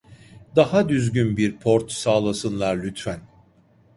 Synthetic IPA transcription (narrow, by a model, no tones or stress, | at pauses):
d̪ahad̪yzɟynbiɾpʰo̞ɾt̪saːlˠasɯnlˠaɾlʲyt̪fæn